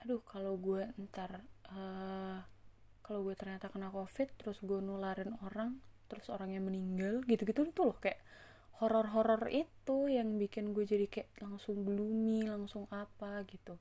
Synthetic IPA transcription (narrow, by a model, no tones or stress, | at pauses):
ʔadʊhkaloɡuɛnt̪arə | kaloɡuɛt̪ərɲat̪akənakofɪt̪ːəɾʊsɡuɛnulaɾɪnoɾaŋt̪əɾʊsoɾaŋɲaməniŋɡalɡit̪uɡit̪uit̪ulɔhkajaʔ | hoɾɔrɦoɾɔrit̪ujaŋbikɪnɡuɛd͡ʒadikajaʔlaŋsʊŋbəlumilaŋsʊŋʔapaɡit̪u